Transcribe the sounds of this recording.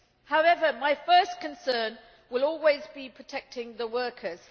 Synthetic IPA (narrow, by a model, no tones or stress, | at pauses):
haʊɛvəmaɪfɜˑskʰə̃nsɜːn | wɪlɔːlˠwɪzbipʰɹ̥ətʰɛk̚tɪ̃ŋðəwɜˑkʰəz̥